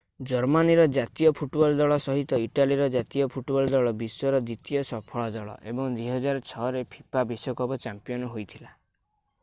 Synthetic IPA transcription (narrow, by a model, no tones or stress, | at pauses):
d͡ʒɔɾmaniɾɔd͡ʒat̪ijɔpʰuʈbɔlɔd̪ɔɭɔsɔɦit̪ɔiʈaliɾɔd͡ʒat̪iɔpʰuʈbɔld̪ɔɭɔbiswɔɾɔd̪it̪iɔsɔpʰɔɭɔd̪ɔɭɔ̰ʔḛbɔŋd̪iɦɔd͡ʒaɾɔt͡ʃʰɔɾepʰipabisɔkɔbɔt͡ʃampijɔnɔɦojt̪ʰila